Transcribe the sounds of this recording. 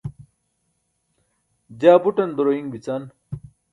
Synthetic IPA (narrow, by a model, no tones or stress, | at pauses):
d͡ʑaːbuʈɐnd̪oɾoiŋbit͡saːn